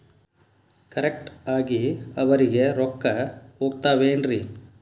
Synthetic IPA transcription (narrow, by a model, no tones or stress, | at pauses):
kɐɾek̚ʈaːɡiɐʋɐɾiɡe̞ɾɔkːɐɦoːɡ̚t̪aːʋeːnɾi